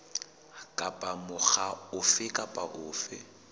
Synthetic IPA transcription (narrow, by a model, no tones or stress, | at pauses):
kʼapʼamʊχaʊfɪkʼapʼaʔʊːfɪ